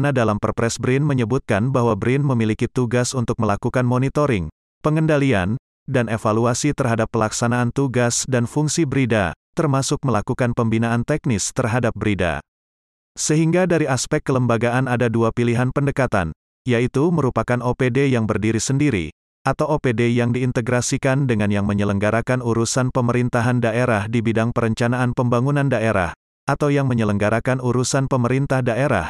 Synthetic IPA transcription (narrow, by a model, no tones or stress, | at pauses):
nadalampərpɾɛsbɾinməɲəbut̪̚kanbaɦwabɾɪnməmilikit̪uɡasunt̪ʊk̚məlakukanmonit̪oɾɪŋ | pəŋəndalia̰n | danefaluasit̪ərɦadapːəlaksanaːnt̪uɡasdanfuŋsibɾida̰t̪ərmasʊk̚məlakukanpəmbinaant̪ɛk̚nɪst̪ərɦadap̚bəɾida̰ | səɦiŋɡadaɾiaspɛkːələmbaɡaʔanadaduapiliɦanpəndəkat̪a̰n | jait̪uməɾupakanopedejaŋbərdiɾisəndiɾḭ | ʔat̪awopedejaŋdiːnt̪əɡɾasikandəŋanjaŋməɲələŋɡaɾakanuɾusanpəməɾint̪aɦandaeɾahdibidaŋpəɾəɲt͡ʃanaːnpəmbaŋunandaʔeɾa̰h | ʔat̪awjaŋməɲələŋɡaɾakanuɾusanpəməɾint̪ahdaʔeɾa̰h